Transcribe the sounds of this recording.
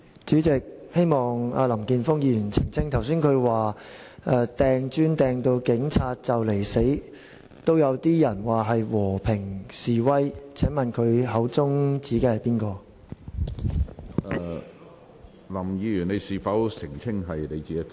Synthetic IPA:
t͡ʃyː˨˥t͡sɪ˨k̚he˥jmɔː˨ŋaː˧lɐ˨˩mkiː˧nfʊ˥ŋjiː˧jyː˨˩nt͡sʰɪ˨˩ŋt͡sʰɪ˥ŋt̪ʰɐ˨˩wsyː˥nkʰɵ˨˧ɥwaː˨˩ | ʔɛː˧t̪ɛː˨ŋt͡ʃyː˥nt̪ɛː˨ŋt̪o˧wkɪ˨˥ŋt͡sʰaː˧t̚t͡sɐ˨wle˨˩jse˨˥j | t̪o˥wjɐ˨˧wt̪iː˥jɐ˨˩nwaː˨˩ɦɐ˨jwɔː˨˩pʰɪ˨˩ŋsiː˨wɐ˥jt͡sʰɛː˨˥ŋmɐ˨nkʰɵ˨˧ɥɦɐ˨˥wt͡sʊ˥ŋt͡siː˨˥keː˧hɐ˨˩jpiː˥nkɔː˧ | lɐ˨˩mjiː˧jyː˨˩ne˨˧jsiː˨˩fɐ˨˥wsɪ˨˩ŋt͡sʰɪ˥ŋɦɐ˨jle˨˧jt͡siː˨˥˦

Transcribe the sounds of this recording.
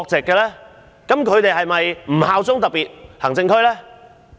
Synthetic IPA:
k̚t͡sɛː˨˩kːɛː˧lɛː˥ | kɐ˨˥mkʰɵ˨˧ɥt̪e˨jhɐ˨jmɐ˨jm̩˨˩haː˨˧wt͡sʊ˥ŋt̪ɐ˨t̚piː˨t̚hɐ˨˩ŋt͡sɪ˧ŋkʰɵ˥ɥlɛː˥

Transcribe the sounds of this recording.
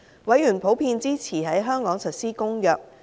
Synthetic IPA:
wɐ˨˥jyː˨˩npʰo˨˥wpʰiː˧nt͡siː˥t͡sʰiː˨˩ɦɐ˨˥jɦœː˥ŋkɔː˨˥ŋsɵ˨t̚siː˥kʊ˥ŋjœː˨˩k̚

